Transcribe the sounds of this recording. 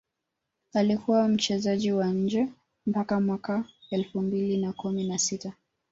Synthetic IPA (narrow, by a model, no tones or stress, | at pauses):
alikuwam̩t͡ʃɛzaʄiwaɲ̩d͡ʒɛ | m̩pakamwakaɛlfumbilinakuminasita